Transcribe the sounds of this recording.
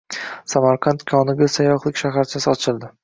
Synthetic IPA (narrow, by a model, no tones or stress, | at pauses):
samaɾqʰɑnt̪kʲʰɒnɪɡʲasajɒχlˠɪkʲʃaɦaɾt͡ʃʰasɪɒt͡ʃʰɪlˠd̪ɪ